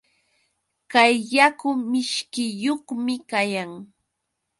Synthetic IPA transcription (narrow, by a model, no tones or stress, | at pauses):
kajːakʊmɪʃkɪjoχmɪkajaŋ